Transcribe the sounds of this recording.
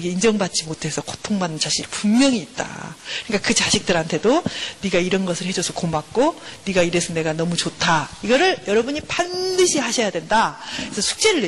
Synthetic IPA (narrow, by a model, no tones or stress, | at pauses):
ɡe̞ind͡ʑʌŋbat̚t͡ɕ͈imotʰwe̞sʰʌkʰo̥tʰoŋmanɯnt͡ɕaɕʰiɡpunmjʌŋiːt̚t͈a̰kɯɲik͈akɯt͡ɕaɕʰik̚t͈ɯɾɦantʰe̞doniɡaiɾʌnɡʌsʰɯɭhe̞d͡ʑosʰʌkomak̚k͈oniɡaiɾesʰʌne̞ɡanʌmut͡ɕotʰaiɡʌɾɯɭjʌɾʌbuɲipandɯɕʰihaɕʰʌjadwe̞ndaesʰʌsʰu̥k̚t͡ɕ͈e̞ɾɯɭe